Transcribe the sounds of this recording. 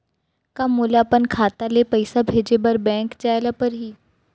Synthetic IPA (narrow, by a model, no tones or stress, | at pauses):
kamːulapənkʰaːt̪alepəɪsabʱeːd͡ʒebɐɾbɛ̃ːŋkt͡ʃaːjlapəɾɦiː